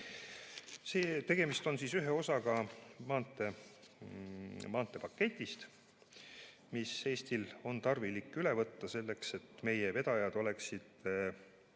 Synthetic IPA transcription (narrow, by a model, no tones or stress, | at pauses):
seːt̪e̞ɡ̥e̞mist̪o̞nsisyɦeo̞sɑɡɑmɑːnt̪ːˑe̞ | mɑːnt̪ːˑe̞pɑkːe̞t̪ʲːˑist̪ | mise̞ːst̪ilo̞nt̪ɑrvilikːˑyle̞vɤt̪ːɑse̞lːe̞kse̞t̪me̞jeve̞d̪̥ɑjɑd̪̥o̞le̞ksid̪̥